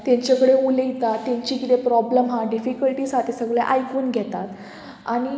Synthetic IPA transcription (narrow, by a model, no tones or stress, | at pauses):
t̪jãɲt͡ɕakəɽeuləjit̪at̪ːjãɲt͡ɕiːkit̪epɾɔbləmɦãɖifikəlʈiːsat̪isəɡɭḛʔajkuːnɡʱɛt̪at̪ | a̰ɽ̃i